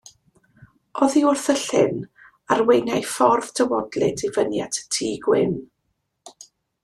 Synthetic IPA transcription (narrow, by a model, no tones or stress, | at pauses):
ɔðiʊrθəɬɪn | arwejnajfɔrð̥tʰəwɔdlɪdʰivənjatʰtʰiːɡwɪ̰n